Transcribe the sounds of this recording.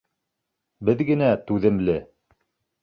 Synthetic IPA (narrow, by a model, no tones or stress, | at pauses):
bɘðɡɘ̆næt̪ʉðɘ̆mlɘ